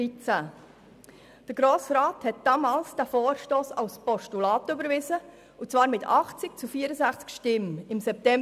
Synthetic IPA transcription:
it͡sæ | d̥əɾɡ̥ɾoːsɾɑːthɛt̚d̥ɑmɑːlsd̥æfoːɾʃtoːsɑlspɔʃtulɑːtʏbəɾvɪzə | ut͡svɑːɾmɪtʰɑχt͡sɪk̚t͡sufiəɾəzæχt͡skʃtɪmɪmsɛp̚tɛ

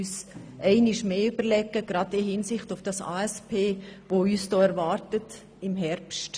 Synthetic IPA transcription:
yːsʔɛɪnɪʃmeːybəɾlɛɡəɡ̥ɾɑdɪhɪnsɪχtʊfd̥ɑsa̰ːɛspʰeːʋoyːsd̥ɔːɛɾvɑːɾtət | ɪmɦɛɾpst

